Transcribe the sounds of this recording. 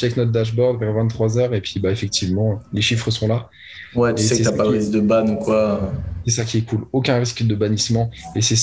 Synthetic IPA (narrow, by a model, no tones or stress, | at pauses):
t͡ʃɛknɔt̪̚d̪aʒ̬bɔʁd̪vɛʁvɛ̃t̪t̪ːχwazœʁepɥibaefɛk̚t̪ʰivmɑ̃leʃifχəsɔ̃la | wɛt̪sɛksɛapaʁizd̪əbanukwasɛsakʲʰiɛkulokʲɛ̃ʁiskd̪əbanismɑ̃esɛs